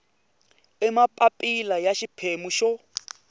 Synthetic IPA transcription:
ɛmapʼapʼilajaʃipʰemuʃɔ

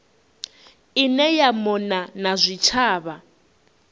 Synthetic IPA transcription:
inɛjamɔnanazʷit͡ʃʰaːβa

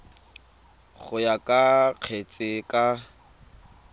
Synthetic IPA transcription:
ɣʊjakʼaq͡χʰet͡sʼɪkʼa

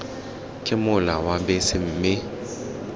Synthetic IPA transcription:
kʼɪmʊlawabɛsɪm̩mɪ

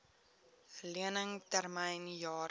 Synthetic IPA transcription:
əliənəŋtærmɛjnjɑː

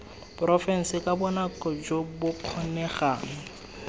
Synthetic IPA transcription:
prɔfɛn̩sɪkʼabʊnakʼɔd͡ʒobʊkʰɔnɛχaːŋ̩

